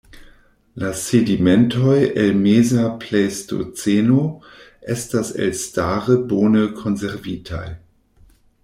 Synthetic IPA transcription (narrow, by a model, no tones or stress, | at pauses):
lasedimento̞jelmezapʰlejsto̰t͡seno | ʔestasḛlstaʁəbonəkʰo̞nseɾvitʰa̰j